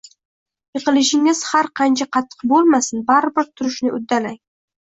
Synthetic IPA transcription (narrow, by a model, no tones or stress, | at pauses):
jɨqɨlɪʃɪŋɪz̥haɾqʰɑnt͡ʃʰaqʰɑt̪ʰːɨ̥qbolˠmasɪnbaɾɪbɪɾt̪ʰʊɾɪʃnɪʔʊ̰d̪ːalaj